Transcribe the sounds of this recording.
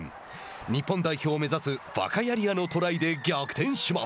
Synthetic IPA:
ɲ̟ipːõ̞nd̪aiço̞ːme̞zasɨβa̰kajaɾʲiano̞t̪o̞ɾaid̪e̞ɡʲakɯ̥t̪ẽ̞ɰ̃ɕima

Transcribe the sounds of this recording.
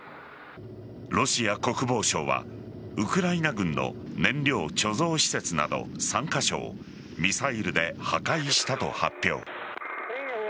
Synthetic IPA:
ɾo̞ɕiako̞kɯ̟bo̞ːɕo̞̰ːβa̰ɯ̟kɯ̟ɾainaɡɯ̟̃nːo̞̰nẽ̞nɾʲjo̞ːt͡ɕo̞zo̞ːɕi̥se̞t͡sɨna̰d̪o̞̰sãŋkaɕo̞̰ː | mʲisaiɾɯ̟d̪e̞hakaiɕi̥t̪at̪o̞̰hapʲːjo̞̰ː

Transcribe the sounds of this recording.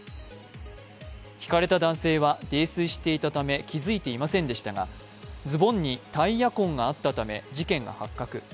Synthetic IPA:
çʲi̥kaɾe̞t̪ad̪ãɰ̃se̞ːβad̪e̞ːsɨɕi̥t̪e̞it̪at̪ame̞kʲizɨit̪e̞imasẽ̞nd̪e̞ɕi̥t̪aɡa̰ | d͡zɨbõ̞ɲ̟ːit̪aijakõ̞ŋɡaːt̪ːat̪ame̞̰d͡ʑikẽ̞ŋɡa̰hakːakɯ̟

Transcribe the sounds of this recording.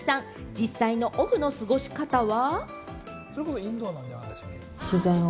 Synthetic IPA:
sãŋ | d͡ʑisːaino̞ʔoɸɯ̟no̞sɨɡo̞ɕi̥kat̪aβa | soɾekot̪oĩnd̪onãɲaa̰d̪es | ɕizaino

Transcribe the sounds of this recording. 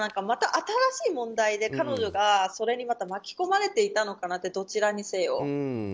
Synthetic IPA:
ãŋkamat̪aʔat̪aɾaɕiːmõ̞nd̪aid̪e̞kano̞ʑo̞ɡaso̞ɾe̞ɲ̟imat̪amakʲi̥ko̞maɾe̞t̪e̞it̪ano̞kanat̪ːe̞d̪o̞t͡ɕiɾaɲ̟ise̞jo̞̰

